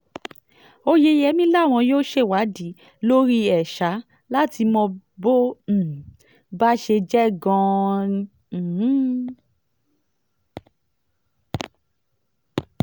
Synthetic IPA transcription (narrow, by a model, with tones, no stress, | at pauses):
o˧je˧jɛ˧˦mĩ˦la˦˨w̃ɔ̃˧joː˦ʃe˧˨wa˨˦di˨˦ | lo˦ɾi˦ɛ˨ʃa˨˦ | la˦ti˧mɔ̃˧bõ˦˨ | ba˦ʃe˧d͡ʒɛ˦ɡɔ̃˧˦˨ | h̩˦